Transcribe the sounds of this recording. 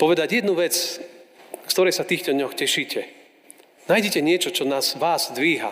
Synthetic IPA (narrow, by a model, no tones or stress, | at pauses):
pɔʋɛd̪aɟjɛd̪nuʋɛt͡s | kt̪ɔɾɛjsat̪iːxt̪ɔd̪ɲɔxcɛʃiːcɛ | naːjɟɛcɛɲɪɛt͡ʃɔt͡ʃɔnaːzʋaːzd̪ʋiːɦa̰